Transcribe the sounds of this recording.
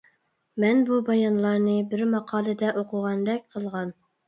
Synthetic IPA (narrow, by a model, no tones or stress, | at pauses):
mɛnbubɑjɑnlˠɑɾnɨbɪɾmɑqʰɑːlˠɨd̪ɛʔoqʰʊʁɑnd̪ɛk̚ʲqʰəlˠʁɑn